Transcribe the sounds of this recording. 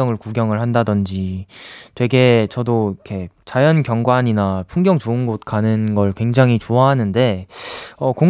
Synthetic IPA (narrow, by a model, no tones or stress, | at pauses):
ʌŋɯɭkuɡjʌŋɯɭhandadʌnd͡ʑi | twe̞ɡe̞t͡ɕʌdoikʰe̞t͡ɕajʌnkjʌŋɡwaɲinapʰuŋɡjʌŋt͡ɕoɯnɡot̚kanɯnɡʌɭkwe̞ŋd͡ʑaŋɦit͡ɕoaɦanɯnde̞ | ʌkoŋ